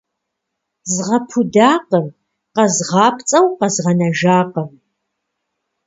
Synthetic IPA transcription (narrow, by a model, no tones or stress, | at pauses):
zʁɐpʰudaːqəm | qɐzʁɑːpʰt͡sʼɐwqɐzʁɐnɐʒaːqəm